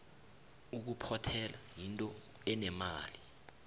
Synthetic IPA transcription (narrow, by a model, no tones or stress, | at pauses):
uk̬upʰɔtʰɛlajintʼɔ | ɛnɛmaːli